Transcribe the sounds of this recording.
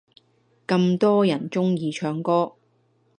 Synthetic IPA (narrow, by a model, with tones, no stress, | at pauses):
kɐ˧mt̪ɔː˥jɐ˨˩nt͡sʊ˥ŋjiː˧t͡ʃʰœː˧ŋkɔː˥